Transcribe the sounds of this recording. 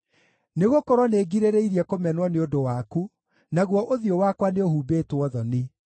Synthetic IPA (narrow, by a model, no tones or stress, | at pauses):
neɣokɔɾwɔneɡiɾeɾeiɾiɛkomɛnwaneodowaku | naɣwɔʔoðiowakwaneohuːbeːtwɔðɔni